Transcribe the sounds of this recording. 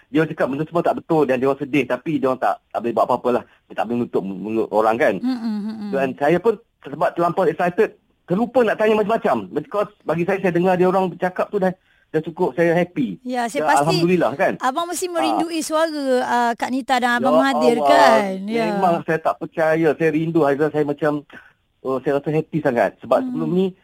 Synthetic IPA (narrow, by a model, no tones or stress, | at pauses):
diawt͡ʃakap̚bənt̪ʊsəmuat̪aʔbət̪ʊldandioɾaŋsədɪht̪apidiwaŋt̪a̰ʔt̪aʔbəlɪhbuaʔpapəlah | dt̪aʔbolɪhnut̪ʊʔ̚mulʊ̰ʔo̰ɾaŋkandansajapʊn | səbap̚t̪əlampɔsɛk̚sajt̪ət̪̚ | t̪ːəɾlupənaʔt̪aɲamat͡ʃamːat͡ʃambəkɔsbaɡisajasajadəŋardiaoɾaŋbət͡ʃakap̚t̪udah | daht͡ʃukʊp̚sajaɦɛpijasaaaalɦamd̪ulilahkanabaŋməsimə̃ɾinduʔisəaɾəəkaʔnit̪adaŋajbamadirkanjamemaŋsajat̪aʔpərt͡ʃajasajaɾinduhaislasajamat͡ʃam | ʔəsajaɾasəɦɛpisaŋa̰t̪̚səbap̚səbəlʊmnĩ